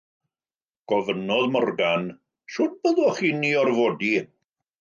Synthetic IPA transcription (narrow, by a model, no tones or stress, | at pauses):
ɡ̥ɔvənɔðmɔrɡan | ʃʊd̚bəðɔχiːniːɔrvoːdi